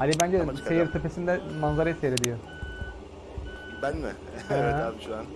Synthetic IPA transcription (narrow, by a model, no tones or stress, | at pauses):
alʲibænd͡ʒɛsejiɾt̪ʰepe̞sind̪ɛmanzaɾajseɾed̪ijo | bænmɪ̰ | ʃuan